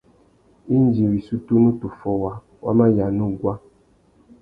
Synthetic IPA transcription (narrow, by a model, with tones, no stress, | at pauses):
i˦n˦d͡ʒi˨wi˨su˦tu˦nu˦tu˨fɔ˦wa˨ | wa̰˦ma˦ja˨nu˦ɡwa˦